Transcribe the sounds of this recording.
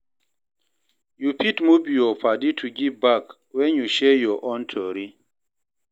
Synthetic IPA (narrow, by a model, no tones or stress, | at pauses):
jupʰitmubijɔpʰaditʰuɡivbak | wɛ̃njuʃɛjɔʔɔ̃ntʰɔɹi